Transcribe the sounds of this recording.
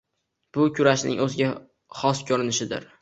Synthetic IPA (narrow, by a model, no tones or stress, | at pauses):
b̥ʊkʲʰʊɾaʃnɪ̰ŋʔɵzɪɡʲa | hɒskʲʰɵɾɪnɪʃɪd̪ɪ̰ɾ